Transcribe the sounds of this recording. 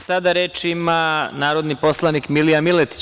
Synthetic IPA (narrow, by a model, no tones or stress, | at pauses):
sad̪aɾeːt͡ʃimanaːɾod̪nipo̞slˠanikmilijamilet̪i̥t͡ɕ